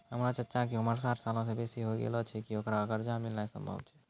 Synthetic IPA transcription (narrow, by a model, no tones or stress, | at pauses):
ɦəmɾat͡ʃətːʃakeuməɾsaɾsalõsẽbesiɦoɡḛlɔt͡ʃʰɛkiokɾaəɡəɾd͡ʒamilnajsə̰mbʱə̰bt͡ʃʰɛ̥